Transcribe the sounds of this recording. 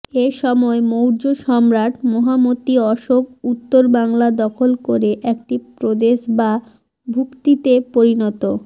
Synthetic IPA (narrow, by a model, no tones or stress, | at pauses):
eʃɔmɔemowɾd͡ʑoʃɔmɾaʈʰmɔɦamot̪iɔʃobut̪ːoɾbaŋlad̪ɔkʰolkoɾeʔɛk̚ʈipɾod̪eʃba | bʱukt̪it̪epoɾinɔt̪o